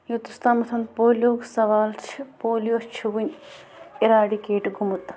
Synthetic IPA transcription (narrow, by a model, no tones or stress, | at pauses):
jut̪ust̪aːmɐt̪ʰɐnd̪poːlʲjoːɡsɐʋaːlt͡ʃʰipoːljot͡ʃʰuʋunʲ | iɾaːɖikeːʈɡʱumut̪